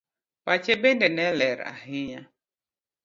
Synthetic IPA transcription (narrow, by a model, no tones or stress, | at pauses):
pat͡ʃebendenɛlɛɾa̰ɦɪɲa